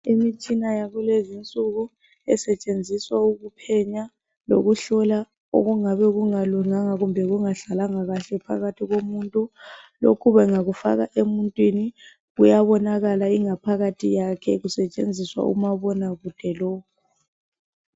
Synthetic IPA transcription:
imit͡ʃʼinajaɣulezint͡sʼuɣu | ɛsɛt͡ʃʼend͡zʱiswauɣupʰɛɲa | lo̰ɣuɬɔla | o̰ɣuŋaβɛɣuŋaluŋaŋaɣumbʱɛɣuŋaɬalaŋaɣaɬɛpʰa̰ɣatʰiɣomuntʼu | lo̰kʰuβɛŋaɣufa̰ɣaʔemuntʼwini | ɣujaβɔnaɣalaiŋapʰaɣatʰijakʰɛɣusɛt͡ʃʼend͡zʱiswa̰ṵmaβɔnaɣud̥ʱɛlɔːkʰu

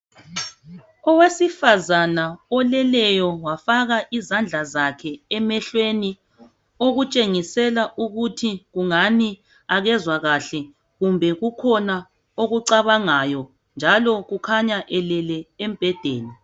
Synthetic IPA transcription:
ɔwesifazanaɔlɛlɛjɔwafaɣaʔizand͡ɮʱazakʰɛɛmɛɬweni | oɣut͡ʃʼeŋisɛlaʔuɣutʰiɣuŋani | aɣɛzwaɣaɬɛ | ɣumbʱɛɣukʰɔna | oɣuǀaβaŋajɔ | nd͡ʒʱalɔɣukʰaɲaʔɛlɛlɛem̩b̥ʱɛd̥ʱḛːni

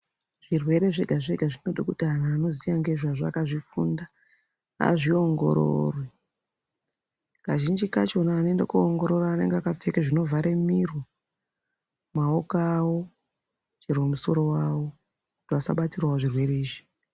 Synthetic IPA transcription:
ʐ̥irwe̞ɾe̞ʐe̞ɡʱaʐe̞ɡʱaʐino̞ɗakutianaːno̞zijaŋɡeʐaʐa̰kaʐifunda | a̰ʐio̞ŋɡo̞̰ɾo̰rwe | kaʒind͡ʒikat͡ʃo̞naːne̞ndekuoŋɡo̞ɾo̞ɾaːne̞ŋɡeakap͡fekeʐino̞vaɾe̞mirwo | maokawo | t͡ʃerwomuso̞ɾo̞wawo̞ | kutiʋasaɓat͡sirwaʐirwe̞ɾe̞iːʐi̥

